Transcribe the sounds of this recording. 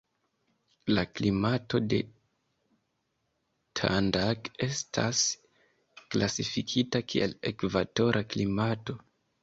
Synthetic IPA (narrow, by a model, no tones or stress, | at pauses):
laklimato̞de̞ | tʰa̰ndake̞stʰas | klasifikʰitakʰiḛle̞kvato̞ɾʔaklimato̞